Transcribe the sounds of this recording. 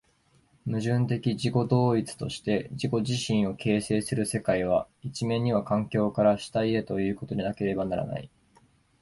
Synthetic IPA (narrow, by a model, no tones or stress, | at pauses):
mɯ̟ʑɨ̃nt̪e̞kʲiʑiko̞d̪o̞ːit͡sɨ̥t̪o̞ɕi̥t̪e̞d͡ʑiko̞ʑiɕĩɰ̃o̞kʰe̞ːse̞ːsɨɾɯ̟se̞kaiβ̞a | it͡ɕimẽ̞ɲ̟ːiβ̞akãŋkʲo̞ːkaɾaɕi̥t̪aie̞t̪o̞jɯ̟ːko̞t̪o̞ɲʲinake̞ɾe̞banaɾa̰na̰ḭ